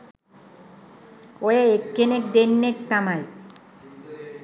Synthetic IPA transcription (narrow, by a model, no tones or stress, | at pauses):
ojeekːenek̚d̪enːekt̪amaj